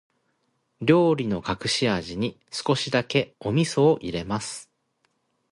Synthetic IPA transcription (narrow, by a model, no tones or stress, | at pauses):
ɾʲo̞ːɾʲino̞kakɯ̟̥ɕiaʑiɲ̟i | sɨ̥ko̞ɕid̪ake̞o̞mʲiso̞ːʔiɾe̞masɨ̥